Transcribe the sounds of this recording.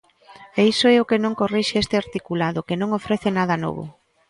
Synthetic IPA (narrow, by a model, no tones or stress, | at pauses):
eisoɛʊkenõŋkoriʃeest̪ɪaɾt̪ikulaðʊkenõŋofɾeθenað̞ɐnɔ̰βʊ̰